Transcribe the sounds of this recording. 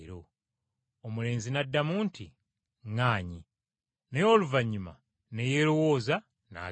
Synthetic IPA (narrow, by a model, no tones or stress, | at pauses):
ɾo | omule̞ːnzinadːamuːntʰi | ŋaːɲi | nejo̞ːluvaɲːuma̰ | nejeːɾo̞wo̞ːza | na̰ː